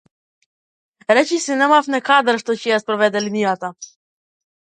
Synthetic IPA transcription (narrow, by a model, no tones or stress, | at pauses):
ɾɛt͡ʃisinɛmafnɛkad̪ɾʃt̪ɔcɛjaspɾɔvɛd̪ɛlinijat̪a